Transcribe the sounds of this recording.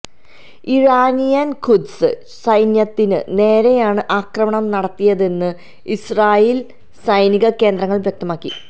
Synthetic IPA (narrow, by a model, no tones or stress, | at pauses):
iɻaːnijɐnkʰud̪sɨ | sɐjnjɐt̪ːinɨ̰ne̞ːɾejaːɳɨʔaːkrɐmɐɳɐmnɐɽɐt̪ːijɐðe̞nːɨ | israːjiːl | sɐjniɣɐke̞ːnd̪rɐŋːɐɭʋjek̚t̪ɐmaːkːi